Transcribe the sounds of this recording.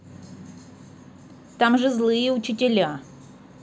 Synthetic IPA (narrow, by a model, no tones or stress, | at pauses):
t̪amʐɨzlˠɨjəʊt͡ɕɪtʲɪlʲa